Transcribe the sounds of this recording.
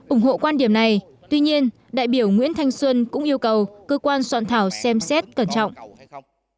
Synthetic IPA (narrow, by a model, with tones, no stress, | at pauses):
ʔʊ˨˧˩ŋ͡mho̰˧˨kwaː˧nɗi˨˧˩əmna˨˩j | t̪wi˧ɲi˧ən | ɗa̰ː˧˨jɓi˧˩əwŋwḭ˧˥ənt̪ʰa˧jŋ̟swə˧nkʊ̰˧˥ŋ͡mʔi˧əwkə˨˩wkəː˧kwaː˧nswa̰ː˧˨nt̪ʰaː˧˩wsɛ˧msɛ˦˥t̚kə˧˩nt͡ɕɔ̰˧˨wŋ͡mʔ